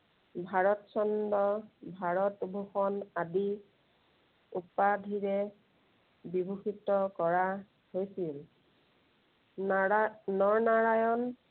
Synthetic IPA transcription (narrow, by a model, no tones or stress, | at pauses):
bʱaɹɔtsɔndɔbʱaɹɔtbʱuxɔnadi | upadʱiɹɛ | bibʱuxitɔkɔɹa | hojsil | nɔɹnaɹajɔn